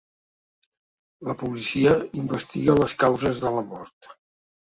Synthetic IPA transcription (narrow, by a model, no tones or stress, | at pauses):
ləpulisiəimbəst̪iɣələskawzəzðələmɔɾt̪